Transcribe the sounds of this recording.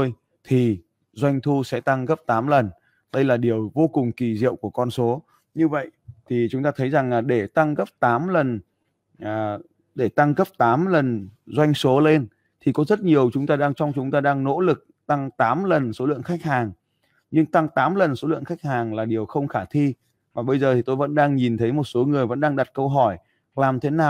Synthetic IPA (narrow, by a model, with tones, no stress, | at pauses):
o˧j | t̪ʰi˨˩ | zwa˧jŋ̟t̪ʰu˧sɛ̰˧˥t̪a˧ŋɣə˦˥p̚t̪aː˨˦mlə˨˩n | ɗə˧jlaː˨˩ɗi˨˩əwvo˧kʊ˨˩ŋ͡mki˨˩zḭ˧˨əwku˧˩əkɔ˧nso˨˦ | ɲɨ˧və̰˧˨jʔt̪ʰi˨˩t͡ɕʊ˨˦ŋ͡mt̪aː˧t̪ʰə˨˦jza˨˩ŋlaː˨˩ɗe˧˩t̪a˧ŋɣə˦˥p̚t̪aː˨˦mlə˨˩n | ʔː | ɗe˧˩t̪a˧ŋɣə˦˥p̚t̪aː˨˦mlə˨˩nzwa˧jŋ̟so˨˦le˧n | t̪ʰi˨˩kɔ˨˦zə˦˥t̚ɲi˨˩əwt͡ɕʊ˨˦ŋ͡mt̪aː˧ɗaː˧ŋt͡ɕɔ˧wŋ͡mt͡ɕʊ˨˦ŋ͡mt̪aː˧ɗaː˧ŋno̰˧˥lɨ˨˩k̚ | t̪a˧ŋt̪aː˨˦mlə˨˩nso˨˦lɨ̰˧˨əŋxa˦˥k̚haː˨˩ŋ | ɲɨ˧ŋt̪a˧ŋt̪aː˨˦mlə˨˩nso˨˦lɨ̰˧˨əŋxa˦˥k̚haː˨˩ŋlaː˨˩ɗi˨˩əwxə˧wŋ͡mxaː˧˩t̪ʰi˧ | vaː˨˩ɓə˧jzəː˨˩t̪ʰi˨˩t̪o˧jvə̰˧˥nɗaː˧ŋɲi˨˩nt̪ʰə˨˦jmo˨˩t̚so˨˦ŋɨ˨˩əjvə̰˧˥nɗaː˧ŋɗa˨˩t̚kə˧wɦɔ˧˩j | laː˨˩mt̪ʰe˨˦naː˨˩w